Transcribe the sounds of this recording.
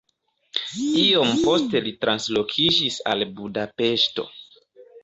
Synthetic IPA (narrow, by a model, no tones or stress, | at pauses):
io̞mpo̞ste̞litɾanslo̞kʰid͡ʒisa̰lbudape̞ʃto̞̰